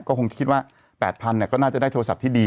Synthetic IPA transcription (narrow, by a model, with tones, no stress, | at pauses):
kɔː˥˩ko˧t͡ɕa˨˩kʰi˦t̪̚waː˥˩ | pɛː˨˩t̪̚pʰa˧nːi˧˩kɔː˥˩naː˥˩t͡ɕa˨˩daː˥˩jt̪ʰːsa˨˩p̚t̪ʰiː˥˩diː˧